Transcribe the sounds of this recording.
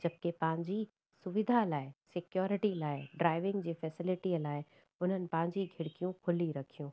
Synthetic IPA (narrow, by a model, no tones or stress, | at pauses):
d͡ʑɐb̚kepɐ̃ɦɪ̃ɲd͡ʑi | sʊʋɪd̪ʱalaːɪsɪkjɔːɾɪʈilaːɪɖɾaːɪʋɪ̃ŋɡd͡ʑiːfɛːsɪlɪʈiəlaːɪ | ʊn̤ənɪ̆pɐ̃ɦɪ̃ɲd͡ʑiɡʱɪɽɪkijũkʰʊliɾɐkʰijũː